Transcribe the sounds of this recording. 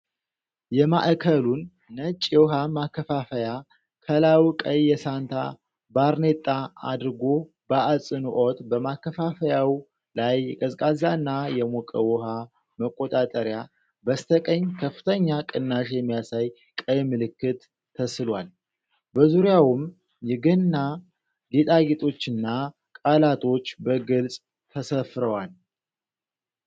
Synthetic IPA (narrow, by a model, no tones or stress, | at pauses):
jɛma̰ʔkʰəlunː | ət͡ʃʼːiwɔɦamakʰːəfafəja | kʰəlawkʼəjːɛsant̪ʰa̰ | baɾne̞t̪ʼːaa̰d̪ɾɨɡo̞ | baʔasʼɨnuʔot̪bəmakːəfafəjaw | lajɛkʼəzkʼazanːajɛmokʼəwɔha | məkʼːot̪ʼat̪ʼəɾja | bəst̪ʰəkʼəɲːkʰəfːɨ̥t̪ʰəɲːakʼɨnːaʃjɛmːijasaj | kʼəjmɨlɨkːɨt̪ʰː | əslwal | bəzuɾjawʊm | jɛɡɨnːa | ɡet̪ʼaɡet̪ʼo̞t͡ʃːɨnːa | kʼalat̪ʰo̞t͡ʃːbəɡɨlsʼ | t̪ʰəsəfɾəwal